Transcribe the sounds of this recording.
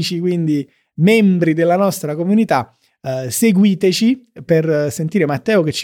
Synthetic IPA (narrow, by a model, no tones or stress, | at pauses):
t͡ʃikwind̪i | mɛmbɾid̪elːanɔst̪ɾakomunit̪a | seɡwiːt̪et͡ʃipersent̪iːɾemat̪ːɛːok̟et͡ʃː